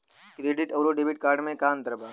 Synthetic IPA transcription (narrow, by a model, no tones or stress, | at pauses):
kɾeːɖɪʈoɾoɖeːbɪʈ̚kaːɾɖmẽkaːnt̪əɾbaː